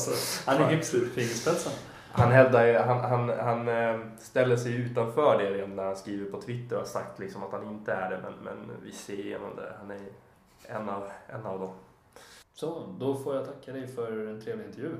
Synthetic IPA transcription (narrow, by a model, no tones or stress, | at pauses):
sɔhanæɾɡɵpsʉfiːnɪspʰɛt̪sən | hanɦɛvd̪ajɦanɦanɦanst̪ɛlːəʂɛjʉ̟ːt̪anfœːɖeɾeːɔmnæɾhanskɾiːvəɾpʰɔt̪ʰvɪt̪ːəɾɔhaʂa̰k̚t̪lɪksɔmat̪hanɪnt̪əæɖɛmɛ̰nmɛ̰nvɪ̰seːjḛːnɔ̰md̪ɛ̰hanæɾ | ɛnːavʔɛnːavd̪ɔm | sɔd̪ɔfoːjat̪ʰakːad̪ɛjfœɾɛnt̪ʰɾeːvlɪnt̪əɾjʉ̟ː